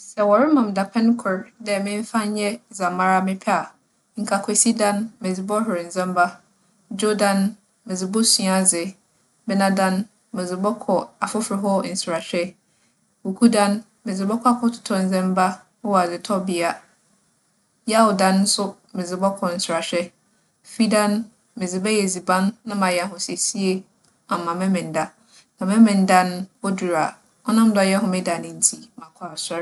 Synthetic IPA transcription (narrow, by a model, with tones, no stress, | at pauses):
sɛ˨wɔ˨ɾɪ˦mã˨m˨da˨pʰɛ̃˦n˦kʰʊ˨ɾdɛ˨mɪ̃˦ɱ̩˦fã˦n˦ɲɛ˦za˨ma˦ɾa˦mɪ̃˦pʰɛ˦a˨ | ŋ̩˨kʰa˨kʰɛ˨si˦dã˦nmɪ̃˨d͡zɪ˨bɔ˦ɦʊ˨ɾɪ˨n̩˨zɛ̃˦mba˦ | d͡ʒo˦dã˨n | mɪ̃˨zɪ˨bɔ˦sũ˨a˨zɪ˨ | bɛ˦nã˦dã˦n | mɪ̃˨zɪ˨bɔ˦kʰɔ˨a˨fʊ˦fɾɪ˨ɦɔ˦n̩˨sʊ˨ɾa˨ɕᶣɛ˦ | wu˨kʰu˦dã˦n | mɪ̃˨d͡zɪ˨bɔ˦kʷʰa˦˨kʰɔ˦tʰʊ̥˨tʰɔ˦n̩˨zɛ̃˦mba˦ | o˦wa˨zɪ˨tʰɔ˦bɪ˨a˦ | jɛ˦a˦wɔ˨dã˦n̩ː˦sʊ˦ | mɪ̃˨d͡zɪ˨bɔ˦kʰɔ˨n̩˨sʊ˨ɾa˨ɕᶣɛ˦ | fi˦dã˦n | mɪ̃˨zɪ˨bɛ˦jɛ˨zi˨bã˦nːã˦mã˨jɛ˨ɦʊ̃˨se˨si˦e˦ | a˨mã˨mɛ̃˦mɪ̃˨n˦da˦ | nã˨mɛ̃˦mɪ̃˨n˦da˦n˦ɔ˦du˨ɾa˨ | ɔ˦nã˦m˦dɔ˨˦˨jɛ˦ɦʊ̃˦mɪ̃˦da˨nɪ̃˦n̩˦tʰi˦mã˨kʰɔ˨a˨sa˦ɾ